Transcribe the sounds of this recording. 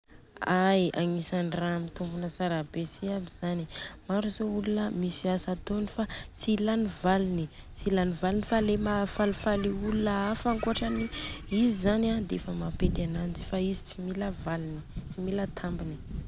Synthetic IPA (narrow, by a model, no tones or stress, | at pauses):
ajaŋisanramit̪umbunəsaɾabesiabiz̥animaɾuzoulunəmisiasat̪onifat͡silanivalini | t͡silanivalinifalemafalifaliulunəafaŋkuaʈ͡ʂaniizizanad̪eefəmapet̪anant͡si̥faizi̥t͡similəvalini̥t͡similət̪ʰambini̥